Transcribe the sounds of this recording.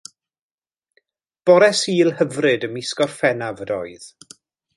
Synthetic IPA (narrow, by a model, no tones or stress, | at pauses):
b̥ɔɾɛsiːlˠhəvrɨdəmɪskɔrfɛnavədɔ̰ɨð̥